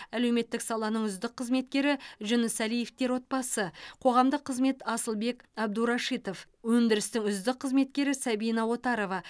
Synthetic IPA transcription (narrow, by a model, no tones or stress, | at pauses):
æle̞wme̞t̪ːɪksɑlˠɑnəɴʏzd̪ɪqʰːəzme̞t̪̚kʲe̞ɾɪʒʏnəsælijeft̪e̞ɾwo̞t̪̚bɑsəqʰo̞ʁɑmd̪əqʰːəzme̞t̪ɑsəlˠbe̞kɑb̚d̪uɾɑʃit̪o̞f | wɵnd̪ɪɾɪst̪ɪŋʏzd̪ɪqʰːəzme̞t̪̚kʲe̞ɾɪsæbijnɑwo̞t̪ɑɾo̞vɑ